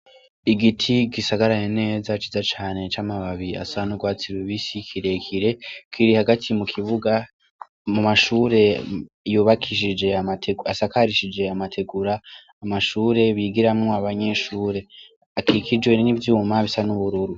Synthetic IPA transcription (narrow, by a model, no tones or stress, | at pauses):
iɡitʰiɡisaɡaɾajene̞ːzat͡ʃizat͡ʃaːne̞t͡ʃamaβaβia̰saanuɡwaːt͡siɾweβisikʰiɾe̞kʰiɾe̞kiɾihaɡatʰimukʰiβuɡa | mumaʃuːɾe̞ | juːβakʰiʃid͡ʒe̞amatʰeɡasakaɾiʃid͡ʒe̞amatʰe̞ɡuɾaː | maʃuːɾe̞βiɡiɾamŋo̞aβaɲe̞ʃuːɾe̞ | akʰikid͡ʒwe̞nivjuːmaβisanuβuɾuɾu